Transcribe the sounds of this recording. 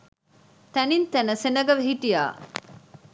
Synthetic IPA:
t̪ɐnint̪ɐnɐsenɐɡɐʋeɦiʈija̰ː

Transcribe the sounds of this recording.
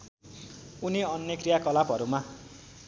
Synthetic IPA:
uniʌnjʌkrijakʌlapɦʌɾuma

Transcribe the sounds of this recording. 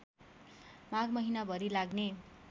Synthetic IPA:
maɡmʌɦinabʱʌɾilaɡne

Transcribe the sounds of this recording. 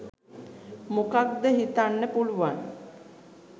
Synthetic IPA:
mukak̚d̪əɦit̪anːəpuluʋan

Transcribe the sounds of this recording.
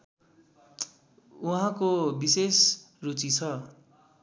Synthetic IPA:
uɦãkobises | rut͡sit͡sʰʌ

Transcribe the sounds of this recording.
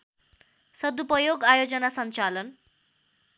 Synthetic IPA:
sʌd̪upʌjoɡajod͡zʌnasʌnt͡salʌn

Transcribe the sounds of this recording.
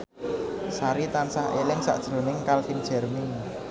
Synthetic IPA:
saɾit̪ansaɦelɪŋsa̰ʔd̥ʒ̥ɾo̤nɪŋkalfind̥ʒ̥ɛ̤rmɪŋ

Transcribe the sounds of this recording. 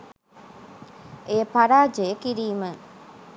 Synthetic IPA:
ʔepɐɾaːd͡ʒejəkiɾiːmə

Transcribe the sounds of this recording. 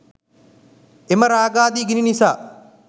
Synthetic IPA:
emɐɾaːɡaːd̪iɡininisaː

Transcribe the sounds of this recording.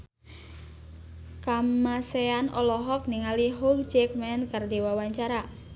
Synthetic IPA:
kamaseanʔɔlɔɦɔk̚niŋaliɦuɡd͡ʒɛk̚mɛnkardewawaɲt͡ʃaɾa

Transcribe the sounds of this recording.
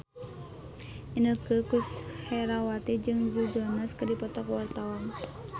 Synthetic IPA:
ʔinəkəkushɛɾawat̪id͡ʒɨŋd͡ʒud͡ʒoanaskədipɔt̪ɔkwart̪awan

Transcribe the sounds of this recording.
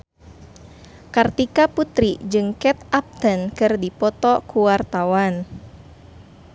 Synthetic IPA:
kart̪ikaput̪ɾid͡ʒɨŋkɛt̪ap̚t̪ənkɨrdipɔt̪ɔkuwart̪awan

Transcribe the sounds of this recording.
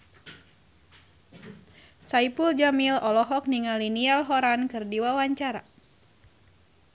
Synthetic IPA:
saipuld͡ʒamilɔlɔɦɔk̚niŋalinialɦɔɾankɨrdiwawaɲt͡ʃaɾa

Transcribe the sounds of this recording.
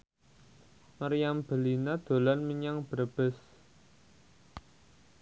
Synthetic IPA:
məɾjamb̥ə̤linad̪̥o̤lanməɲaŋb̥əɾb̥ɪs

